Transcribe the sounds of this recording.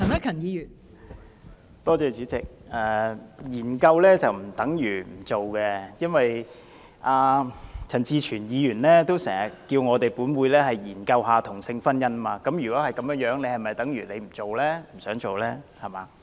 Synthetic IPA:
ɐ˨˩nɐ˥kʰɐ˨˩njiː˨˧jyː˨˩n | t̪ɔː˥t͡sɛː˧t͡ʃyː˨˥t͡sɪ˨k̚ɛː˨˧jiː˨˩nkɐ˧wlɛː˥t͡sɐ˨wm̩˨˩t̪ɐ˨˥ŋjyː˨˩m̩˨˩t͡so˨wkɛ˧jɐ˥nwɐ˨j | ʔaː˧t͡sʰɐ˨˩nt͡siː˧t͡ʃʰyː˨˩njiː˨˧jyː˨˩nlɛː˥t̪o˥wsɛː˨˩ŋhɐ˨˩kːiː˧wŋɔː˨˧t̪e˨jpuː˨˥nwuː˨˧jlɛː˥ɦɐ˨jjiː˨˩nkɐ˧wɦaː˨t̪ʰʊ˨˩ŋsɪ˧ŋfɐ˥njɐ˥nmaː˧kɐ˨˥mjy˨˩kʷɔː˨˥hɐ˨jkɐ˨˥mjœː˧˥ŋjœː˨˥ŋne˨˧jhɐ˨jmɐ˨jt̪ɐ˨˥ŋjyː˨˩le˨˧jm̩˨˩t͡so˨wlɛː˥m̩˨˩sœː˨˥ŋt͡so˨wlɛː˥hɐ˨˩maː˨˧

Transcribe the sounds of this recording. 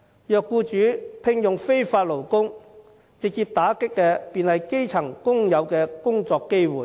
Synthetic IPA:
jœː˨˧kːuː˧t͡ʃyː˨˥pʰɪ˧ŋjʊ˨ŋfe˥jfaː˧t̚lo˨˩wkʊ˥ŋ | t͡sɪ˨k̚t͡siː˧p̚t̪aː˨˥kɪ˥kːɛː˧piː˨nhɐ˨jke˥jt͡sʰɐ˨˩ŋkʊ˥ŋjɐ˨˧wkɛː˧kʊ˥ŋt͡sɔː˧kːe˥jwuː˨˩j

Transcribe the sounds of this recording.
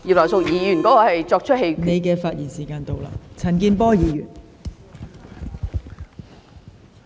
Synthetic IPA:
ji˨lɐ˨˩wsʊ˨k̚jiː˨˥jyː˨˩nkɔː˨˦˥kɔː˧hɐ˨jt͡ʃɔː˧k̚t͡ʃʰɵ˥t̚he˧jkne˨˧jkɛː˧faː˧t̚jiː˨˩nsiː˨˩kaː˧nt̪o˨wla̰ː˧t͡sʰɐ˨˩nkiː˧npɔː˥jiː˨˧jyː˨˩n

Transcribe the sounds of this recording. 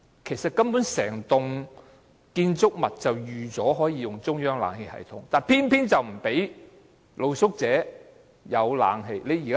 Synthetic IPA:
kʰe˨˩jsɐ˨t̚kɐ˥mpuː˨˥nsɛː˨˩ŋt̪ʊ˨ŋ | kiː˧nt͡sʊ˥k̚mɐ˨t̚t͡sɐ˨wjyː˨t͡sɔː˨˥ɦɔː˨˥jiː˨˧jʊ˨ŋt͡sʊ˥ŋjœː˥ŋla̰ː˨˧ŋhe˧jhɐ̰˨jt̪ʰʊ˨˥ŋt̪aː˨npʰiː˥npʰiː˥nt͡sɐ˨wm̩˨˩pe˨˥j | lo˨˧wsʊ˥k̚t͡sɛː˨˥ | jɐ˨˧wla̰ː˨˧ŋɦe˧jle˨˧jːiː˨˩ka

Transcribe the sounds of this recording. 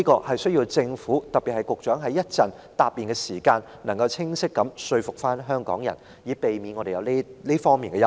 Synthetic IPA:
iː˥kɔː˧hɐ˨jsɵ˥ɥjiː˧wt͡sɪ˧ŋfuː˨˥t̪ɐ˨p̚pːi˨hɐ˨˩jkʊ˨k̚t͡ʃœː˨˥ŋɦɐ˨˥jɐ˥t̚t͡sɐ˨˩n | t̪aː˨p̚ːiː˨˩nkɛː˧siː˨˩kaː˧n | nɐ˨˩ŋkɐ˧wt͡sʰɪ˥ŋsɪ˥kːɐ˨˥msɵ˧ɥfʊ˨k̚faː˥nɦœː˥ŋkɔː˨˥ŋjɐ̰˨˩n | jiː˨˥pe˨jmiː˨˥nŋɔː˨˧ɾe˨jɐ˨˧wli˥liː˥fɔː˥ŋmiː˨nkɛ˧ɐ˥

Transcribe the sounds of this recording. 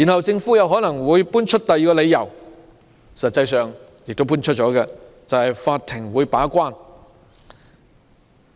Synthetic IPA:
ji˨˩nhɐ˨wt͡sɪ˧ŋfu˨˥jɐ˨˧wɦɔː˨˥nɐ˨˩ŋwuː˨˧jpuː˥nt͡ʃʰɵ˥t̚t̪ɐ˨jːkɔː˧le˨˧jːɐ˨˩w | sɐ˨t̚t͡sɐ˧jsœː˨ŋ | jɪ˨k̚t̪o˥wp̬uː˥nt͡ʃʰɵ˥t̚t͡ʃɔː˨˧˥kɛ˧ | t͡sɐ˨whɐ˨jfaː˧t̚t̪ʰɪ˨˩ŋwuː˨˧jpaː˨˥kʷaː˥n

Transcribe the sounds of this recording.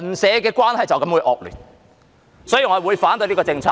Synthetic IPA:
nsɛː˨˧kɛː˧kwaː˥nhɐ˨jt͡sɐ˨wkɐ˨˥mwu˨˧jʔɔː˨˧k̚ly̰ː˨˩n | sɔː˨˥jiː˨˩ŋɔː˨˧˨wu˨˧jfaː˨˥nt̪ɵ˧jliː˥kɔː˧t͡sɪ˧ŋt͡sʰa̰ː˧

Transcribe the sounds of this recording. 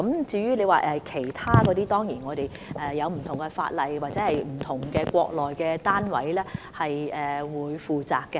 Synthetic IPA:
kɐ˨˥mt͡siː˧jyː˥le˨˧jwaː˨ʔɛ˧kʰe˨˩jt̪ʰaː˥kɔː˨˧t̪iː˥t̪ɔː˥ŋjiː˨˩nŋɔː˨˧t̪e˨j | ʔɛ˨jɐ˨˧wm̩˨˩t̪ʰʊ˨˩ŋɡɛ˧fa̰ː˧t̚lɐ˨jwaː˨t̚t͡sɛː˨˦hɐ˨jm̩˨˩t̪ʰʊ˨˩ŋkɛː˧kʷɔː˧k̚lɔː˨jkɛː˧t̪aː˥nwɐ̰˨˥jlɛː˥hɐ˨jɛː˨wuː˨˧jfuː˨t͡saː˨˩kːɛ˧

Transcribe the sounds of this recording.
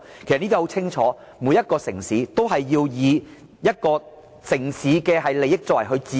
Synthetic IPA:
kʰe˨˩sɐ˨˩niː˥i˥ho˨˥wt͡sʰɪ˥ŋt͡ʃʰɔː˨˥ | muː˨˧jːɐ˥t̚kɔː˧sɪ˨˩ŋsiː˨˥t̪o˥wɦɐ˨jːiː˧wjiː˨˧ | jɐ˥t̚kɔː˧ | sɪ˨˩ŋsiː˨˥kɛː˧hɐ˨jle˨jɪ˥k̚t͡sɔː˧˥wɐ˨˩jɦɵ˧ɥt͡siː˧

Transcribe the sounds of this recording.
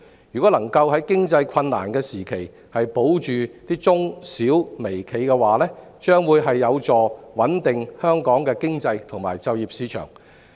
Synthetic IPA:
ɥyː˨˩kɔ˨˥lɐ˨˩ŋkɐ˧wɦɐ˨˥jkɪ˥ŋt͡sɐ˧jkʰɐ˧nːa̰ː˨˩nkɛː˧siː˨˩kʰe˨˩j | hɐ˨jpo˨˥wt͡ʃyː˨t̪iː˥t͡sʊ˥ŋsiː˨˥wme˨˩jkʰe˨˧jkɛ˧waː˨˩lɛː˥ | t͡ʃœː˥ŋwuː˨˧jɦɐ˨jːɐ˨˧wt͡sɔː˨wɐ˨˥nt̪ɪ˨ŋhœː˥ŋkɔː˨˥ŋkɛː˧kɪ˥ŋt͡sɐ˧jt̪ʰʊ˨˩ŋmaː˨˩jt͡sɐ˨˧wjiː˨p̚siː˨˥t͡ʃʰœ̰ː˨˩ŋ

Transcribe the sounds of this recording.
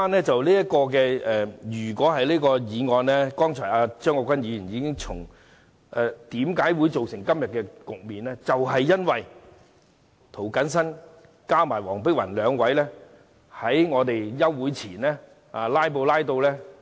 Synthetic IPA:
aː˥nlɛː˥t͡sɐ˨wliː˥jɐ˥t̚kɔː˧k̬ɛː˧ɛ˨jyː˨˩kʷɔː˨˥hɐ˨jliː˥kɔː˧jiː˨˧ŋɔː˧nlɛː˥kɔː˥ŋt͡ʃʰɔː˨˩aː˧t͡ʃœː˥ŋkɔː˧kʷɐ˥njiː˨˧jyː˨˩niː˨˧kɪ˥ŋt͡sʰʊ˨˩ŋ | ʔɛː˨˧t̪iː˨˥mkaː˨˥jwu˨˧jt͡so˨wsɪ˨˩ŋkɐ˥mjɐ˨t̚kɛː˧kʊ˨k̚miː˨nlɛː˥t͡sɐ˨wɦɐ˨jːɐ˥nwɐ˨j | t̪ʰo˨˩wkɐ˨˥ns̬ɐ˥n | kaː˥wmaː˨˩jwɔː˨˩ŋpɪ˥k̚wɐ̰˨˩nlœː˨˧ŋwɐ˨˥jlɛː˥ | hɐ˨˥jŋɔː˨˧t̪e˨jjɐ˥wwuː˨˥jt͡sʰiː˨˩nlɛː˥ | aː˨laː˥jp̬o˧wlaː˥jt̪̬o˧wlɛː˥

